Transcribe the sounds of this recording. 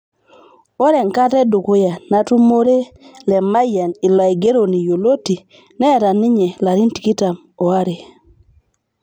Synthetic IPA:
o˦ɾɛ˨ŋ˨ka˦tɛ˦du˨ko˦ja˨na˦tu˦mo˦ɾe˦lɛ˨ma˦ja˨ni˨lwa˨i˨ɡe˦ɾo˨ni˨jo˨lo˦ti˨ | nɛ˦˨ɾa˨nɪ˦ɲɛ˨la˨ɾi˦nti˨ki˦ta˨m | o˨a˦ɾe˨

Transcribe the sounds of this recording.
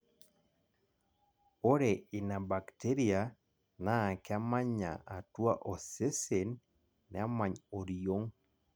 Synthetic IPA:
o˦ɾe˨ɪ˨na˨ba˨kte˦ɾi˦a˨ | na˦˨ka˦ma˦ɲa̰˨ʔa˨twa˦ʔo˨se˦se˨nː | ɛ˨a˦ma˨ɲo˨ɾijo˦ŋ

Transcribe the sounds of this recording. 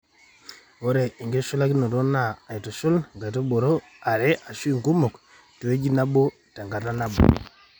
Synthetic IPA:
wo˦ɾe˨i˨ŋɡe˦ʃu˦la˦ɡi˦no˨do˦naː˦˨i˨to˨ʃu˦lŋɡa˨jto˦bo˨ɾo˦ | a˨ɾe˦ʔa˨ʃu˦i˨ŋku˦mo˨k | tu˨we˦d͡ʒi˦na˦bo˦ | ta˨ŋɡa˨ta˦na˦bo̰˨

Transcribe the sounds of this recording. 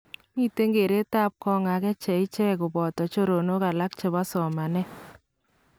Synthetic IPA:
mi˦te˦ŋɡe˨ɾe˦ta˦p̚kɔ˦ŋa˨kɛ˦t͡ʃɛ˨ɪ˦t͡ʃɛ˦kʊ˨bɔ˨tɔ˨t͡ʃo˦ɾo˨no˦ka˨la˦k̚t͡ʃe˨βa˦sɔ˨ma˨nɛ˦

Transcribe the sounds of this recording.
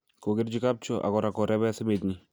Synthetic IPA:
ko˨kɪ˦rd͡ʒi˦ka˦p̚t͡ʃɔʔa̰˨kɔ˨ɾa˨kɔ˨ɾɛ˦βɛ˦sɪ˦met̪ɲi

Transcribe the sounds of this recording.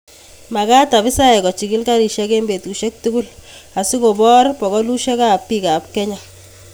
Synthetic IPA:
ma˨ka˦ta˨βɪ˦sa˦ɛ˨kɔ˨t͡ʃi˨kɪ˦lka˦ɾi˨ʃja˦ke˦mbe˨tku˨ʃe˦k̚tu˦ku˦la˨si˦ko˨bɔ˦ɾpɔ˨kɔ˦lu˦ʃɛ˦ka˦pːi˦ka˨p̚kɛ˦ɲɔ˨

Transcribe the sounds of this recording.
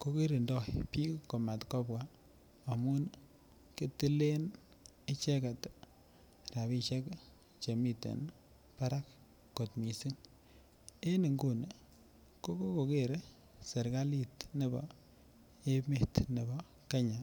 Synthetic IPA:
ko˦ki˦ɾi˨ndɔ˦˨pi˦kko˨ma˨tkɔ˦pwa˨ | a˨mu˦n | ke˦ti˦le˦n | ɪ˦t͡ʃɛ˦ka˨t | ɾa˨bi˦ʃɛ˦k | t͡ʃe˨mi˦tḛ˨n | pa˦ɾa˦kː | o˨tmi˨si˦ŋ | e˦ni˨ŋɡu˦n˨ | ko˦ko˦ko˨ke˦ɾe˦ | se˨ɾka˦li˨tne˦bɔ̰˨ | e˦me˦˨tne˨bɔ˦ | ka˦ɲa˨

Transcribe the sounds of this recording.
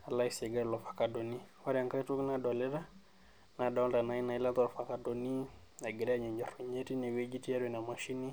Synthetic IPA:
a˨la˦ise˨ɡa˦ɾlɔ˨fḁ˨kado˨ni˦wa˦ɾja˨ŋka˦i˦tu˦knadɔ˨lɛ˦ɾa˦ | na˨dɔ˦lda˨na˨i˦na˨i˦la˦t̪ɔ˦lɔ˨fa˨kado˨ni˦ | na˨ɡɛ˨ɾɛ˦aɲɛ˨ɲd͡ʒɔ˨ɾe˨ɲe˦ti˦ne˨we˦d͡ʒi˦ti˦a˦ɾwɛ˨na˨ma˨ʃi˦ni˦

